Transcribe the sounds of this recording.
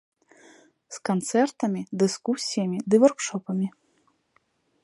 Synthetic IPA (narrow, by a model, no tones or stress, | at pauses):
skant̪sɛrt̪ɐmʲid̪ɨskusʲijɐmʲid̪ɨvɔrkʂɔpɐmʲi